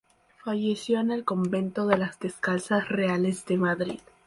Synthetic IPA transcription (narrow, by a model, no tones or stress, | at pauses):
faʝe̞sjo̞ene̞lko̞mbe̞nt̪o̞ðe̞lazðe̞skalsasreale̞zðe̞maðɾḭð